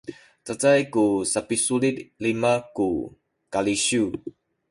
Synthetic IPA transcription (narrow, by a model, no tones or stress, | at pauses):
t͡sat͡sajkusapisulit̪̚limaku | kaliɕu